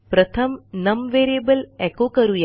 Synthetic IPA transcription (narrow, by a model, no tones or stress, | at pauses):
pɾət̪ʰəmnəmʋeːɾiebəlɛkokəɾuja